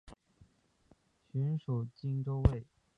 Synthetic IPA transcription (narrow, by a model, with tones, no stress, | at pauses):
ɕy˧˥nʂu˨˩t͡ɕi˥˧ŋʈ͡ʂo˥˧ʊwe˥˩ɪ